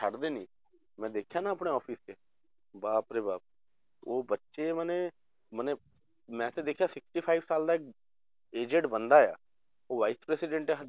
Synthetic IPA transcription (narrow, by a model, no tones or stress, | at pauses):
əɽd̪eːnĩː | mɛ̃ːd̪eːkʰjãːnãːəpɳeːɔːpʰiːskeː | baːpɾeːbaːp̚ | oːbətːʃeːmənẽː | mənẽː | mɛ̃ːt̪ẽːd̪eːkʰjaːsɪksʈiːpʰaːibsaːld̪aːɪk̚ | eːd͡ʒɛ̃ɳʈbənd̪aːɛja̰ː | oːʋaːiːspɾɛːsɪɖə̃ɳʈeːɦ